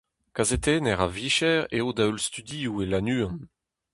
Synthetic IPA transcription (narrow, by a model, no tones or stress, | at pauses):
kazet̪enɛʁa̰viʃɛʁeod̪aølst̪yd̪iuelanyːɑ̃